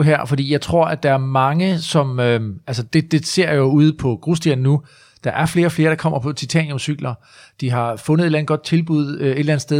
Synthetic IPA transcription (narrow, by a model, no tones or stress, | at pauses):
ɦæɐ̰fɒd̥ḭːjɑ̈ɪt͡sʰʁo̝ɐ̰ʔæd̥ɑ̈æɐmɑ̈ŋəsɒ̽møælsəd̥e̝d̥e̝se̝ɐ̰jo̝uð̰ˠpʰɒ̽ɡ̥ʁusd̥iɐnːu | d̥ɑ̈ʔæɐfle̝ːɐɒ̽fle̝ːɐɾ̥ɑ̈kʰɒ̽m̰ɐpʰɒ̽t͡sʰit͡sʰɛ̰n̰jo̽msyɡ̥lɐ | d̥iɦɑ̈fɔ̽nð̩ˠe̝ɾlæn̩ɡ̥ɒ̽d̥̚t͡sʰe̝lb̥uð̰ˠøe̝d̥lænəsd̥eð